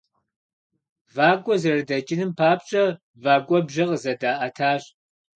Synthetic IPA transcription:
vaːkʷʼɔzɐrdɐt͡ʃʼɪnɨmpʰaːpt͡ʃʼɐ | vaːɡʷʼɔbʒɐqəzɐdaːʔɐtʰaːɕ

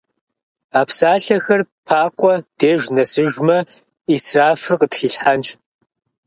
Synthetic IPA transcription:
aːpsaːɬɐxɐrpʰaːqʷʼɔd̥eːʒnɐsɨʒmɐ | israːfɨrqətxiːɬħant͡ʃʼʰ

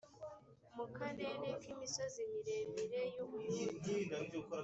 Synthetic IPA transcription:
mukanenekimiso̞zimiɾe̞miɾe̞juβujuidaid͡ʒoko

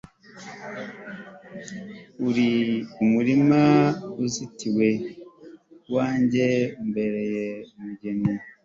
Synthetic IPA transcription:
uɾiumuɾimauzitiwe̞ | waːɲɟe̞umbe̞ɾe̞jemuɟe̞ni

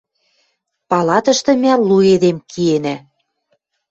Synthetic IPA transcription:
pɑlɑt̪ɤ̆ʃt̪ɤ̆mʲælːued̪emkʰienæ

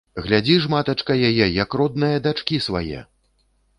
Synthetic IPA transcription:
ɣlʲad͡zʲiʐmat̪ɐt͡ʂkɐjajɛjɐkrɔd̪̚nɐjɐd̪at͡ʂkʲisva̰jɛ̰

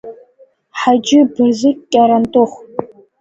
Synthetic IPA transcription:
ħad͡ʒɪbɨrzɨkkʲʼaɾɐntʼʊχʷ

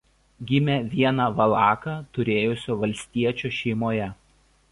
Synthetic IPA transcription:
ɡʲɪmʲɛʋʲiɛnɑːʋɐlˠɑːkɑt̪ʊɾʲeːjʊsʲoːʋɐlʲsʲt̪ʲiɛt͡ʃʲuːʃʲɛɪmoːjɛ

